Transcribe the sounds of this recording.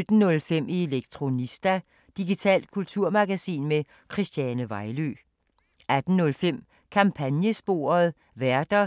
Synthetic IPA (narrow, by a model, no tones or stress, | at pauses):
ød̥n̩ːɔ̽lfem̰ie̝leɡ̥̚t͡sʰʁo̝nisd̥æ | d̥iɡ̥it͡sʰɛ̰ːld̥̚kʰult͡sʰuɐ̰mɑ̈ɡ̥æsḭːnme | kʰʁisd̥jænəʋɑ̈ɪlø̰ | ʔæd̥n̩ːɔ̽lfem̰ | kʰɑ̈mpʰænjəsb̥o̝̰ːɐð̞̩ˠ | ʋæɐd̥ɐ